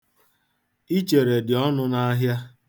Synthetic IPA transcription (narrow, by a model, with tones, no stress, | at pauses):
i˦t͡ʃe˨ɾe˨dɪ˨ɔ˦nʊ˦na˦ɦja˦